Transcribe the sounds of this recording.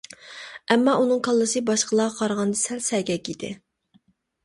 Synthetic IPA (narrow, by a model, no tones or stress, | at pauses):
ɛmːɑʔunɨŋkʰɑlˠːɨsɨbɑʃqəlˠɑːqʰɑɾʁɑnd̪ɨsælsɛɡʲɛkʲid̪ɪ̰